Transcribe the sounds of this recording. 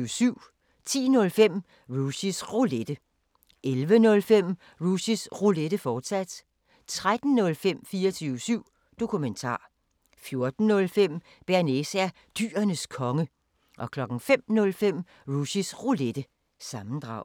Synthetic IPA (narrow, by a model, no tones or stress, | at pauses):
syʊ̰ | t͡sʰḭːnɔ̽lfem̰ | ʁusisʁoled̥ə | ʔelʋənɔ̽lfem̰ | ʁusisʁuled̥əfɒːd̥sæd̥ | t͡sʰʁad̥n̩nːɔ̽lfem̰fiːɐt͡sʰyʊsyʊ̰ | d̥o̝kʰument͡sʰɑ̰̈ː | fjo̝ɐd̥n̩nɔ̽lfem̰ | b̥æɐnesæɐ | d̥y̰ːɐnəskʰɒ̽ŋə | ʔɒ̽kʰlɒ̽ɡ̥ŋ̩fem̰nɔ̽lfem̰ | ʁusisʁuled̥ə | sɑ̈mn̩d̥ʁɑ̈ʊ̰